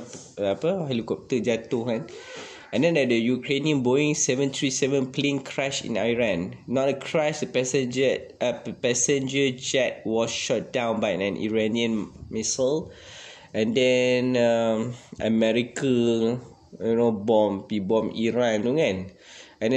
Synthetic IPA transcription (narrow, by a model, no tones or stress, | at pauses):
ɛpəhɛlikɔp̚t̪əd͡ʒat̪okãn | ɛ̃ndɛ̃ndɛt̚dəjukɹeniə̃nboĩŋsɛvə̃nt̪ɹisɛvə̃nplẽŋkʰɹaʃḭ̃najɹãnːɔt̚əkʰɹaʃdəpɛsɛ̃d͡ʒəpɛsɛ̃nd͡ʒəd͡ʒɛt̚wɔsʃɔt̚dãw̃nbajɛ̃nʔḭɹaniə̃nmisəl | ɛ̃ndɛnəmə̰mɛɹikə | õnobɔ̃mpibɔ̃miɹãndoŋãn | ɛ̃nɛ